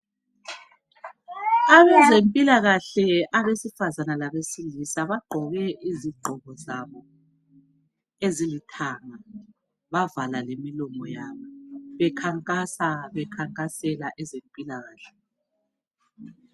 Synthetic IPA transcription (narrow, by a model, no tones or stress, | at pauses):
aβɛzempʼilaɣaɬɛaβesifazanalaβesilisaβaɡ͡ǃʱɔɣɛʔiziɡ͡ǃʱɔɣɔzaβɔ | ezilitʰaŋa | βavalalemilɔmɔjaβɔβɛkʰaŋkʼasaβɛkʰaŋkʼasɛlaʔɛzempʼilaɣaːɬɛ̥